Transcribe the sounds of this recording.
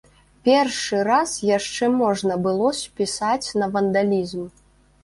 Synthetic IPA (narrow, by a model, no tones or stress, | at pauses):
pʲɛrʂɨɾasjaʂt͡ʂɛmɔʐnɐbɨlˠɔsʲpʲisat͡sʲnɐvɐnd̪alʲizm